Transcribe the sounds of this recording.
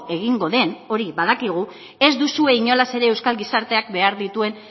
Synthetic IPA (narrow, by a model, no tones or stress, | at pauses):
e̞ɣ̞iŋɡo̞ðe̞no̞ɾiβað̞akiɣ̞u | e̞zd̪usue̞iɲo̞lase̞ɾe̞ːwskalɡisaɾt̪e̞akbe̞aɾðit̪ue̞n